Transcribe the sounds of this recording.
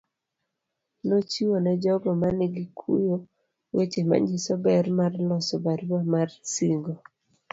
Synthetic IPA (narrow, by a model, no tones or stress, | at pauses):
not͡ʃiwonɛd͡ʒɔɡɔmanɪɡikʰṵjo | wet͡ʃema̰ɲisɔbɛrmarlɔsɔbaɾwamarsiŋɡo